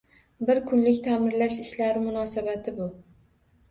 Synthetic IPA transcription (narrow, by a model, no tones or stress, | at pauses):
bɪɾkʰʊnlɪkʲt̪ʰamɪɾlaʃɪʃlaɾɪmʊnɒsabat̪ʰɪbʊ